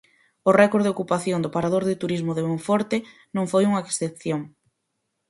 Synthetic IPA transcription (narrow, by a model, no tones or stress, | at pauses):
ʊrɛkoɾðeokupaθjond̪ʊpaɾaðoɾðɪt̪uɾizmʊðemoɱfɔɾt̪ɪ | nõŋfojuŋɐeksθep̚θjoŋ